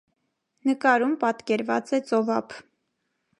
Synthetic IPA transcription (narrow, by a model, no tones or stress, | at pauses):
nəkɑɾumpɑt̪kɛɾvɑ̰t͡sɛt͡sɔvɑpʰ